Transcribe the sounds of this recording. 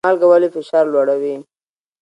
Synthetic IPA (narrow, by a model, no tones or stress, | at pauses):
ɑlɡawalifɪʃɑɾlwaɽawi